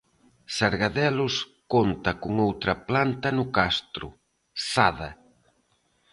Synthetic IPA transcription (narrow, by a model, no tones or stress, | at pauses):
saɾɣaðɛlʊskont̪ɐkʊŋowt̪ɾɐplant̪ɐnʊkast̪ɾʊ̰ | saðɐ